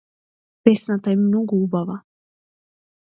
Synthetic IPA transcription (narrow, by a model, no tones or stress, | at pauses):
pɛsnat̪aɛmnoɡuubava